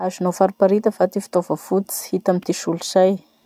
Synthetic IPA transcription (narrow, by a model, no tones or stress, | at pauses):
azunofaɾipaɾit̪əfat̪ifi̥t̪ovəfut͡si̥hit̪amit̪iʃulizaj